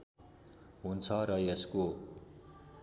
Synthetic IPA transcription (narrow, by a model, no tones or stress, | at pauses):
ɦunt͡sʰʌɾʌjʌsko